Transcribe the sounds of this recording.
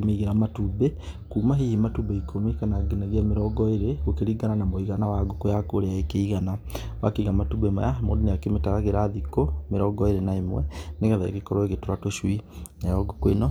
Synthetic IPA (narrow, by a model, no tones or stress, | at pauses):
meiɣeɾamatubekuːmaɦihimatubeikʰomikanaɡenaɣiameɾɔɡɔeɾeɣokeɾiɡananamoiɣanawaɡokojakoɾeaekeiɣana | wakeiɣamatubemɔ̰jamodoneakemetaɾaɣeɾaːðikomeɾɔɡɔeɾenaemwɛ̰neɣɛðaḛɣekɔɾɔeɣetoɾatoʃwinajɔɡokwenɔ